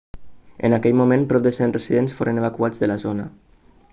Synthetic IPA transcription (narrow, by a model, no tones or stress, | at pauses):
ə̰nakɛʎmumẽnpɾɔp̚d̪əsenrəsiðensfoɾʔənəβ̞akuad͡zðəlazonə̰